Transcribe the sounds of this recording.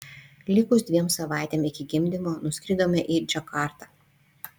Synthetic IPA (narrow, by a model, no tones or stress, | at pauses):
lʲɪkʊsd̪ʲʋʲiɛmsɐʋɑˑɪt̪ʲɛmɪkʲɪɡʲɪmʲd̪ʲɪmoːnʊsʲkʲɾʲɪd̪oːmʲɛʔid͡ʒʲɐkɑˑɾt̪ɑː